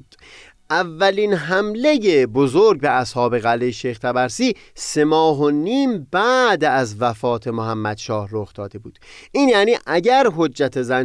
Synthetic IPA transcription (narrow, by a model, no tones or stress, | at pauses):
ʔævːæliːnɦæmle̞jebozoɾɟbeʔæshɒːbe̞ɣælːejeʃejxt̪ʰæbæɾsiː | se̞mɒːɦoniːmbæːd̪æzvæfɒːt̪ʰe̞moɦæmːæd̪ʃɒːhɾoxd̪̥ɒːd̪e̞buːd̪̥ʔiːnjæːniːʔæɟæɾɦo̞d͡ʒːæt̪ʰezæn